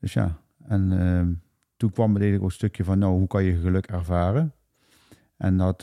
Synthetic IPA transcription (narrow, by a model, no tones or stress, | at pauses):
d̥øsja̰ː | ɛn | tunkʋɑmətejənləkɔləstøkjəvɑnːowɦukɑnjəɣəlɵkɛɹvaːrən | ʔɛndɑt